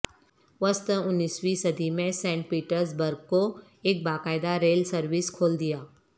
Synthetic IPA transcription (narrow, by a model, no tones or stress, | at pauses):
ʋəst̪ʊnːiːswisɐd̪ʱimẽsɛ̃ːɳʈ̚piːʈəɾs̬bəɾɡ̚ko | eːk̚baːkaːɪd̪aɾeːlsəɾʋɪskʰoːld̪ɪjaː